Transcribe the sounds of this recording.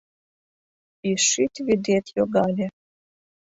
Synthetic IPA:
iʃit̪ʲβid̪et̪joɡɑlʲe

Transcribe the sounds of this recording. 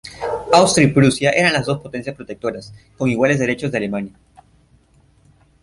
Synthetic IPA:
awst̪ɾipɾusjaʔe̞ɾanlazðo̞spo̞t̪e̞nsjaspɾo̞t̪e̞k̚t̪o̞ɾasko̞ŋiɣwale̞zðeɾe̞t͡ʃozðeale̞manja

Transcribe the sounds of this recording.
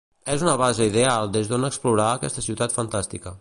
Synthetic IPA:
ɛzunəβazeiðealˠd̪ezðonəkspluɾaːkɛ̰st̪əsiwt̪at̪fənt̪ast̪ikə

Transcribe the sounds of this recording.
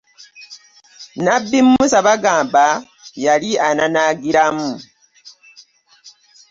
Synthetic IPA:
nabːimmusaβaɡaːmba | jaliananaɡiɾamu

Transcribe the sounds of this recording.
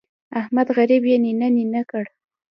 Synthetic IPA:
ahmad̪ɣaɾibjeninaninakəɽ

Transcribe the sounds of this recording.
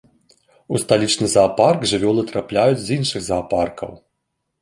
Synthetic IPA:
ust̪alʲit͡ʂnɨzaːparɡʐɨvʲɔlˠɨt̪ɾaplʲajut͡sʲzinʂɨɣzaːparkɐ̰w

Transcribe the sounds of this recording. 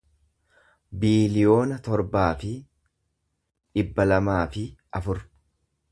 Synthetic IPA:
biːlɪjo̞ːnɐt̪ɔɾbaːfɪ | ᶑɪbːɐlɐmaːfɪʔɐfʊɾ

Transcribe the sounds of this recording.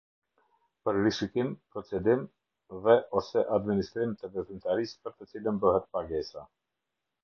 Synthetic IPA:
pəɾɾiʃikimpɾɔt͡sɛd̪im | ðɛʔɔsɛʔad̪minist̪ɾimt̪ɛvɛθymt̪aɾispəɾt̪ət͡silənbəhɛt̪̚paɡɛsa̰

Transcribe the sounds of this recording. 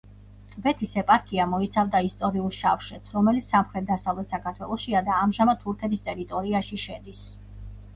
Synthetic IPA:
t̪ʼʰbɛt̪ʰisɛpʼaɾkʼiamɔit̪sʰavd̪aist̪ʼɔɾiulˠʃafʃɛt̪sʰɾɔmɛlit̪ssamχɾɛt̪̚d̪asavlˠɛt̪sakʰaɾt̪ʰwɛlˠɔʃiad̪aːmʒamad̪̚t̪ʰuɾkʰɛt̪ʰist̪ʼɛɾit̪ʼɔɾiaʃiʃɛd̪is

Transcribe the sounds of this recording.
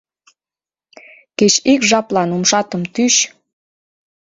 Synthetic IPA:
ket͡ɕikʒɑplɑnumʃɑt̪əmt̪yɕ

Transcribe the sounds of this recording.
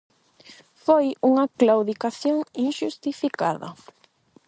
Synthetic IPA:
fojuŋɐklawðikaθjoŋiŋʃust̪ifika̰ðɐ̰

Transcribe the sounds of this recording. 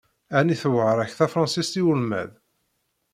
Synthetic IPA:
æniθəwəʕɾˤæçθæfɾˤɑnsist̪iulmæ̰ð

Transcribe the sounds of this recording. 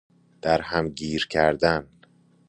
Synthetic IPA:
d̪̥æɾhæmɟiːɾcʰæɾd̪æn

